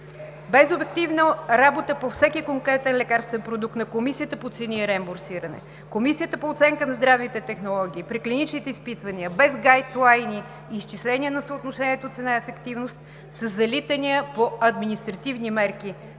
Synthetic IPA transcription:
bɛzobɛk̚t̪ivnəɾabot̪əpofsɛkikoŋkɾɛt̪ɛnlɛkaɾst̪vɛnpɾod̪uk̚t̪nɐkomisiət̪əpot̪sɛniɛɾɛmboɾsiɾənɛ̰ | komisiət̪əpoːt̪sɛŋkənɐzd̪ɾavit̪ɛt̪ɛxnolˠɔɡ̟ʲiːpɾiklinit͡ʃnit̪ɛispit̪vəniəbɛzɡajt̪lˠajniː | st͡ʃislɛnʲiənɐsəot̪noʃɛniɛt̪ot̪sɛnaɛfɛkt̪ivnost̪̚ | səzːɐlit̪əniəpoɐd̪minist̪ɾɐt̪ivnimɛɾki

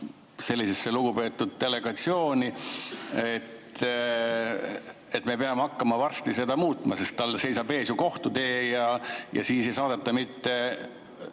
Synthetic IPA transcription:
se̞lʲːise̞sːeluɡ̥upe̞ːt̪ːˑud̪̥̚t̪e̞le̞ɡ̥ɑt̪sio̞ːnʲi | et̪ | e̞t̪me̞peɑmeɑkːɑmɑvɑrst̪ise̞d̪ɑmuːt̪ˑmɑse̞st̪t̪ːɑlːse̞jsɑbe̞ːsjuko̞ht̪ut̪e̞ːjɑjɑ̰siːse̞jsɑːd̪̥et̪ːɑmit̪ːe̞

